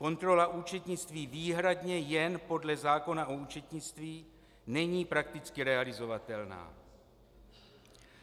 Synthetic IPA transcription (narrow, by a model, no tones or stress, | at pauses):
ko̞nt̪ɾo̞laʔuːt͡ʃɛt̪ɲɪt͡st̪viːviːɦɾad̪ɲɛjɛnpo̞dlɛzaːko̞naʔouːt͡ʃɛt̪ɲɪt͡st̪viː | nɛɲiːpɾakt̪ɪt͡skɪɾɛalɪzo̞vat̪ɛlna̰ː